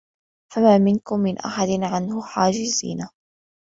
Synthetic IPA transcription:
famaːmɪnkʊmːɪnʔa̰ħad̪ɪnʕanhʊħaːd͡ʒɪzḭːna

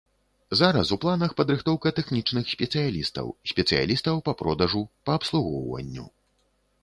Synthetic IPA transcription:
zaɾɐsuplˠanɐxpɐd̪ɾɨxt̪ɔwkɐt̪ɛxnʲit͡ʂnɨxsʲpʲɛt̪sɨjalʲist̪ɐ̰wsʲpʲɛt̪sɨja̰lʲist̪ɐwpɐpɾɔd̪ɐʐupɐːpslˠuɣɔ̰wvɐ̰nʲːṵ

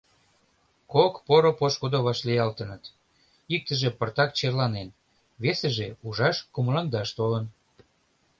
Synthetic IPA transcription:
kokpoɾopoʃkud̪oβɑʃlijɑlt̪ənət̪ | ik̚t̪əʒĕpərt̪ɑk̚t͡ɕerlɑnen | βeseʒeuʒɑʃkoməlɑŋd̪ɑʃt̪olən

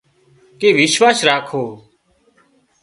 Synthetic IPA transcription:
keːʋɪʃʋaːsɾaːkʰoː

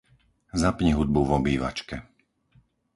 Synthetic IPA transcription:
zapɲiɦud̪̚buʋɔbiːʋa̰t͡ʃkɛ

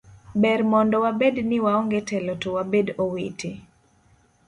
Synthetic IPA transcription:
bɛɾmɔndɔwabednɪwaoŋɡetɛlɔtowabedowetʰe

